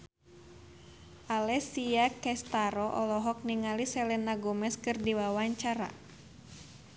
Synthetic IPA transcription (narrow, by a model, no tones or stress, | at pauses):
ʔalɛsijakɛst̪aɾɔʔɔlɔɦɔk̚niŋalisɛlɛnaɡɔmɛskɨrdiwawaɲt͡ʃaɾa̰